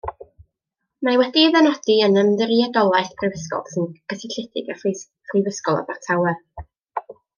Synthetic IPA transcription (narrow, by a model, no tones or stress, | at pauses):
mawɛdiðɛnɔd̥iənəmðəɾiadɔlˠaɨθpʰrɨvəskɔ̰lˠsɪnɡ̥ʰəsɪɬɪdɪ̰ɡa | χrɪvəskɔlˠa̰bartʰawɛr